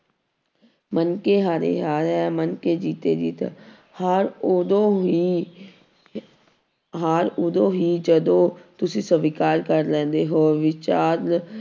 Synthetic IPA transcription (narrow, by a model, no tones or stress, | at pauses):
mənkeːɦaːɾḛːɦaːɾɛːmənkeːd͡ʒiːt̪ḛːd͡ʒḭːt̪a̰ | haɾod̪õːɦiː | ɦaːɾʊd̪õːɦiːd͡ʒəd̪õːt̪ʊsĩːsəʋiːkaːɾkəɾlɛ̃ːnd̪eːɦoːʋɪt͡ʃaːɾl